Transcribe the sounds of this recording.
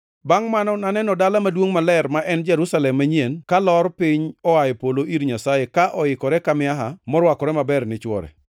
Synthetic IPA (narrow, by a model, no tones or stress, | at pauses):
baŋmanɔnanɛnɔdalamadwoŋmalɛrmaʔɛnd͡ʒɛɾusalɛmːaɲenkalɔɾpiɲɔajepoloʔiɾɲasajekaʔɔɪkɔɾɛkamɪaɦamɔɾwakɔɾɛmabɛrnɪt͡ʃwɔ̰ɾɛ̰